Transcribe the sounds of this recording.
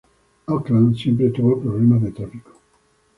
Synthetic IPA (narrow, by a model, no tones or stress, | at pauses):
aklãnsjẽmpɾet̪ɾuβalpɾoβlemad̪elt̪ɾafiko̥